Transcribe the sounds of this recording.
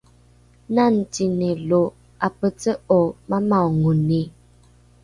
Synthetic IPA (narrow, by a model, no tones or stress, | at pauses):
nan̩tinelo | apət͡səɔmamaŋune